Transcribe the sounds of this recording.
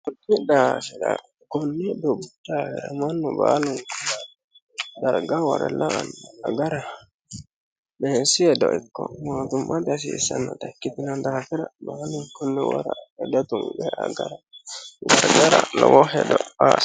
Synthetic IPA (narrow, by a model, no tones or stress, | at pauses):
kutːiɗasɛɗa̰ | kɔnːɛdɔbudafiɾamanːubalunka | daɾɡawaɾalaːnaɡaɾa | bɛsiɛdɔʔikːɔ̰motumːadas̬isanatakːitinandafiɾabalunkɔnːɛwa̰ɾaɛdatumbɛʔa̰ɡaɾadaɡaɾa̰lɔ̰wɔhɛdɔas